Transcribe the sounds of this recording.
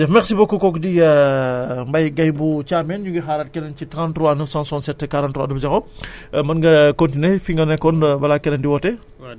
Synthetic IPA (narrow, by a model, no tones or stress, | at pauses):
dɛfmɛxsibokːokɔkdiə | mbɐjɡɐjbut͡ʃaːmɛnɲuŋɡixaːɾɐt̚kɛnɐncitɾãntɾɔwanəfsãnsɔːnsɛtːɛkaɾantɾua̰dufd͡ʒɐxɔmɐnɡɐkontinefiŋɡɐnɛkːɔnbɐlaːkɛnɐndiwɔtɛ